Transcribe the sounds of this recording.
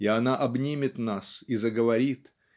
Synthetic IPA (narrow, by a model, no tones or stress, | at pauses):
iɐnaʔɐbnʲimʲɪt̪nasizəɡəvɐɾʲit̪